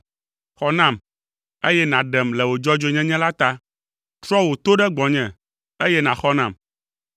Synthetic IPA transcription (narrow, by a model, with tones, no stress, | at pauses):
xɔ˦nã˦˨m | e˦jɛ˦nã˨ɖɛ˨mlɛ˨wo˨d͡ʒɔ˦d͡ʒo˦ɲɛ̃˦ɲɛ̃˦la˦t̪a˦ | t̪ɾɔ˦wo˨t̪o˦ɖɛ˦ɡ͡bɔ˨ɲɛ̃˨ | e˦jɛ˦nã˨xɔ˦nã˨m